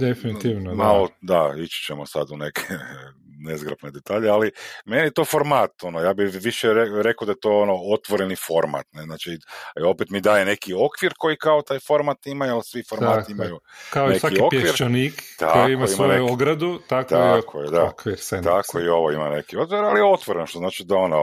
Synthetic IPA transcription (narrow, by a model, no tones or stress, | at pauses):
d̪efinit̪iʋnomalod̪ait͡ʃi̥t͡ɕemosad̪unekʰe | nezɡɾapned̪e̞t̪aːʎealime̞nijet̪o̞ːfoɾmaːt̪o̞nojaːbiʋiʃeɾeɾe̞kod̪ajet̪o̞ːonoot̪ʋoɾenifo̞ɾma̰t̪neznaːt͡ʃio̞pet̪mid̪aːjene̞kio̞kʋiɾko̞jikao̞t̪aːjfo̞ɾmat̪imajualsʋifoɾaːt̪iimajukaoneaiopʋiɾnikt̪a̰okimaimaneoɡɾad̪ut̪akt̪akʰojed̪akʋiɾt̪akoio̞ʋoimanekiot̪ʋiɾalijeo̞t̪ʋoɾenoʃt̪oznaːt͡ʃid̪ao̞no̰